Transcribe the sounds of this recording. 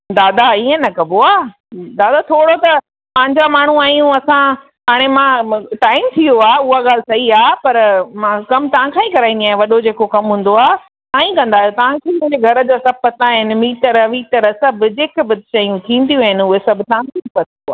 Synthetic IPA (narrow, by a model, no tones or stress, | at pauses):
d̪aːd̪aiɦə̃nɐkɐboaː | d̪aːd̪at̪ʰoːɽot̪ɐ | pɐ̃ɦɪ̃ɲd͡ʑamaːɳ̤ũaːjũɐsã | ɦaːɽ̃emãʈaːɪmt̪ʰijoaːʊɦaɠaːl̤ɪsɐɦiaːpɐɾmãkɐmt̪ɐʋ̤ãkʰãːĩkɐɾaːĩnd̪iaːɦẽʋɐɗod͡ʑeːkokɐmɦũːn̆d̪oaː | ãːĩkɐ̃nd̪aːɦjot̪ɐʋ̤ãkʰemũɦd͡ʑeɡʱɐɾəd͡ʑosɐb̚pɐt̪aɦɪnɪ̆miːʈəɾʋiːʈəɾsɐbʱd͡ʑeːkbɪt̪̚ʃɐijũt̪ʰĩːn̆d̪ijũɦɪnɪʊɦesɐbʱt̪ɐʋ̤ãkʰepɐt̪ʰnd̪oaː